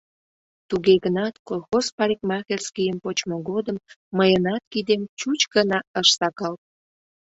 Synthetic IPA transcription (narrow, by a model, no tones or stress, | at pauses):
t̪uɣeɣənɑt̪kolˠxospɑɾik̚mɑxelskijəmpot͡ɕmoɣod̪əmːəjənɑt̪̚kid̪emt͡ɕut͡ɕɡənɑəʃsɑkɑl̚